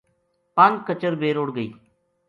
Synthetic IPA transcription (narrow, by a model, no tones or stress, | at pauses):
pand͡ʒkət͡ʃəɾbeːɾʊɽɡəḭː